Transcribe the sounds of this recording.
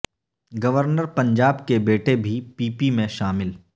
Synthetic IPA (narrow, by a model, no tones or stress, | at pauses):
ɡɐʋəɾnəɾpɐ̃ɲd͡ʒaːbkebeːʈebʱipiːpimẽʃaːmɪl